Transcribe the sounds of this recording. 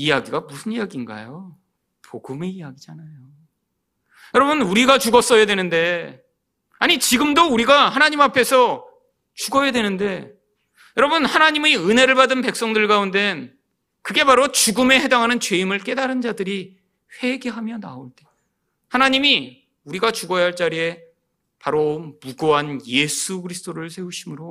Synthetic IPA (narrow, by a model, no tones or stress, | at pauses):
ijaɡiɡamusʰɯnijaɡinɡa̰jo | pʰoɡumeijaɡid͡ʑanajo | jʌɾʌbɯnuɾiɡat͡ɕuɡʌs͈ʌjadwe̞nɯnde̞ | aɲit͡ɕiɡɯmdouɾiɡahanaɲimapʰe̞sʰʌ | t͡ɕuɡʌjadwe̞nɯnde̞ | jʌɾʌbɯnhanaɲimiɯnɦe̞ɾɯɭbadɯnpe̞ks͈ʌŋdɯɭkaunde̞n | kɯɡe̞baɾot͡ɕuɡɯme̞he̞daŋɦanɯnt͡ɕwe̞imɯɭk͈e̞daɾɯnd͡ʑadɯɾi | ɸwe̞ɡe̞ɦamjʌna̰oɭt͈e̞̥ | hanaɲimi | uɾiɡat͡ɕuɡʌjɦaɭt͡ɕ͈aɾie̞ | paɾomuɡoɦanje̞sʰuɡɯɾisʰɯ̥t͈ʰoɾɯɭsʰe̞uɕʰimɯɾo